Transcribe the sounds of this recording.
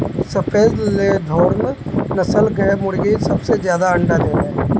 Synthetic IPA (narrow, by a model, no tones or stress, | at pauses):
səpʰeːzleːd̪ʱɔːɽnnəsəlɡʱəmʊɽɡisəbseːzjaːd̪aəɳɖaːd̪eːɾ